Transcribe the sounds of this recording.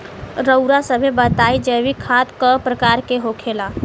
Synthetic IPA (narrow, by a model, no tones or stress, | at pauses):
ɾəwɾasəbʱebət̪aid͡ʒəbikʰat̪kəpɾəkaɾkeɦokʰela